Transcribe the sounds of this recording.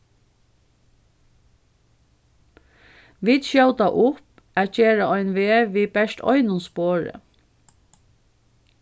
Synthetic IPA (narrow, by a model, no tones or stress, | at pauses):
ʋiːt̪ʃjɑld̪ɑʔʊp | æːc͡çeːɾəɔʏnʋeːʋiːbɛʃtɔ̰ʏnʊnspoːɹə̰